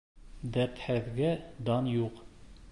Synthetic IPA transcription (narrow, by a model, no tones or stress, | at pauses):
d̪æɾt̪hæðɡæd̪ɑnjuq